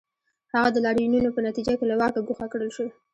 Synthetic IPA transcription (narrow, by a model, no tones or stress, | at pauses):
haɣad̪əlɑɽjununopənat̪id͡ʒakelawɑkaɡuxakɽəlʃəw